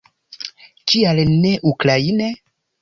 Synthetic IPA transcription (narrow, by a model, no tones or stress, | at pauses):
kialneʔuklaine